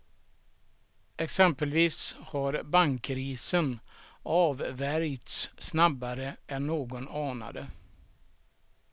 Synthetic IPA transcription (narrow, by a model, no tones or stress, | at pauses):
ɛksɛmpəlviːshaɾbaŋkɾiːsənɑːvvæɾjt̪ssnabːaɾəɛnːoːɡɔnɑːna̰d̪ə